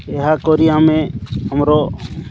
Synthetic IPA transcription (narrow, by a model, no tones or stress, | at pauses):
ɛɦakɔɾijamɛ̃amɾɔ